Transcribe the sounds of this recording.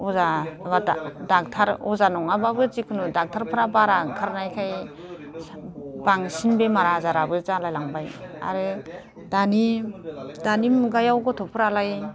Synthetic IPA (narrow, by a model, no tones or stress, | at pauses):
ɔzabadadak̚tʰaɾɔzanɔŋababɯzikʰɯnudak̚tʰaɾpʰɯɾabaɾakʰaɾnajkʰaj | baŋsinbemaɾazaɾabɯzalajlaŋbaja̰ɾɯ | dani | danimɡajawɡɔtʰɔpʰɯɾalaj